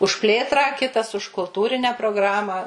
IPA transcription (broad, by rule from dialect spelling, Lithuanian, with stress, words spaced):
ʊʃ ˈpʲlʲeːtrɑː ˈkʲɪtɐs ʊʃ kʊlˠˈtuːrʲɪnʲɛ proːɡˈrɑːmɐ